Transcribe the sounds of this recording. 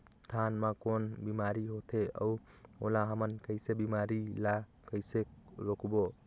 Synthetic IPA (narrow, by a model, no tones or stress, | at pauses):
tʰanmakonbimaɾihotʰeɐ̰wɔlaɦamankɐjsebimaɾila | kəjseɾokʰubɔ